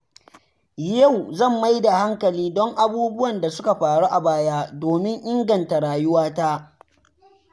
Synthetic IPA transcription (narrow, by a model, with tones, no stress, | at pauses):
ja˦˨wzɐ˦˨mːa˦jda˨ha˦ŋkɐ˨liː˦dɔ˦ŋʔa˨buː˦bʊ˦wɐ˨nda˨sʊ˦ka˨ɸaː˨ɽu˦ʔa˨baː˦jaː˦doː˨mɪ˦ŋʔɪ˦ŋɡɐ˨nta˨ɽaː˨jʊ˦waː˦taː˦